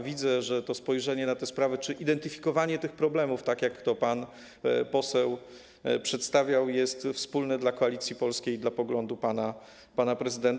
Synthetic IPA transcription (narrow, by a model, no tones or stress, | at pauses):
vʲid̪zɛʐɛt̪ɔspɔjʐɛɲɛnat̪ɛspɾavɛt͡ʂɘʔid̪ɛnt̪ɘfʲikɔvaɲɛt̪ɘxpɾɔblɛmuft̪akjakt̪ɔpan | pɔsɛw | pʂɛt̪st̪avʲjawjɛst̪fspulnɛd̪lakɔalʲit̪sʲjipɔlskʲejd̪lapɔɡlɔnd̪upana | panapɾɛzɘd̪ɛnt̪